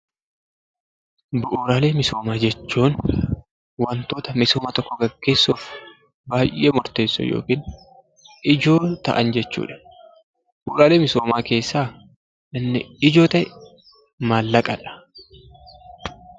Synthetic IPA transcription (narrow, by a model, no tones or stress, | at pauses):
bʊʔuːɾaːle̞ːmɪso̞ːmaːd͡ʒɛt͡ʃːuːn | wɐnt̪o̞ːt̪ɐmɪsoːmaːt̪ɔkːɔɡɐɡːe̞ːsːoːf | baːjʔeːmɔɾt̪e̞ːsːɔ̰jo̰ːkiːn | ɪd͡ʒo̞ːt̪ɐ̰ʔɐnd͡ʒɛt͡ʃːṵːᶑɐ̥ | b̥ʊɾaːle̞ːmɪsoːmaːke̞ːsːaː | ʔɪnːɪɪd͡ʒo̞ːt̪ɐʔɛ | maːlːɐkʼɐᶑɐ̥